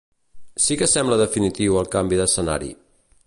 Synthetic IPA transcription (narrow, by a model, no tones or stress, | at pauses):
sikəsɛmbləðəfinit̪iwəlˠkambiðəsəna̰ɾḭ